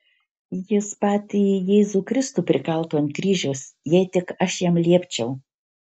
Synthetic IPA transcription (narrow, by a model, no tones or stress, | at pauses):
jɪspɑːt̪ʲɪjeːzuːkɾʲɪst̪uːpʲɾʲɪkɐlˠt̪oːɐnt̪kɾʲiːʒʲoːsjɛɪt̪ʲɪkɐʃjɛmlʲiɛpʲt͡ʃʲɛʊ